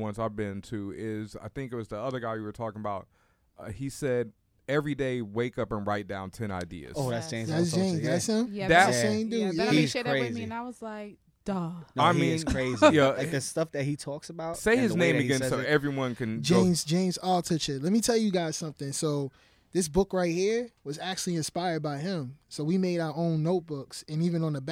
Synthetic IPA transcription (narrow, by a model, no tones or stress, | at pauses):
wʌ̃nsaɪvbɪ̃ntʰʉɪza̰ɪθɪ̃ŋkɨt̚wʌzðiʌðə˞ɡaɪwɨwə˞tʰɔkɪ̃ŋəbaʊt̚ | ʌhisɛd̚ | ɛvɹideɪweɪkʌpə̃nɹaɪt̚d̥ãʊ̃ntʰɛ̃ña̰ɪdḭɨ̰zoʊætsẽɪ̃æsʒʒẽɪ̃mæsɪ̃mðætðɨsẽɪ̃mdʉjæiz̥ɾɹezmĩnaɪwʌzlaɪk̚ | d̥ʌaɪmĩnkʰɹ̥eɪzijæaɪk̚ðɨstʌfðɨt̚hitʰɔksəbaʊt̚seɪɨznẽɪ̃mɨɡɛ̃nsoʊɛvɹiwʌ̃nkɨ̃nd͡ʒẽɪ̃mzd͡ʒẽɪ̃mzɔlˠtʰʌt͡ʃɨt̚ˡlɛt̚mitʰɛlˠjɨɡaɪz̥sʌ̃mθɪ̃ŋsoʊ | ðɪs̬b̥ʊkɹaɪt̚hiɹwʌzæk̚t͡ʃʉl̩ˠiɨ̃nspaɪə˞d̚baɪɪ̃msoʊwimeɪɾaʊə˞õʊ̃nːoʊt̚b̥ʊksɨ̃nivɨ̃nə̃nðəb